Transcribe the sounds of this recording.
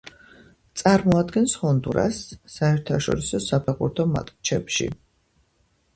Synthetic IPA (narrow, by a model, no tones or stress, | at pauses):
t̪sʼaɾmɔad̪ɡɛnshɔnd̪uɾa̰sːaɛɾt̪ʰaʃɔ̰ɾisɔsapʰaχṵɾt̪ʰɔma̰t̪ʼkʼt͡ʃʰɛpʃḭ